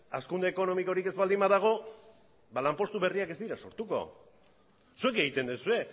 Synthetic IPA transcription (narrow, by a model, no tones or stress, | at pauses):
askund̪e̞ːko̞no̞miko̞ɾike̞zβald̪imbaðaɣ̞o̞ | balampo̞st̪uβe̞riake̞zd̪iɾaso̞ɾt̪uko̞̰ | sue̞ke̞ɣit̪e̞nd̪usue̞